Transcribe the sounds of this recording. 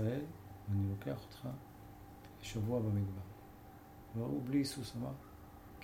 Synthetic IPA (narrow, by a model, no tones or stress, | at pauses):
aɛlvanilokeaχo̥t̪χa | eʃavuabamiɡbaʁ | vaublisusama | k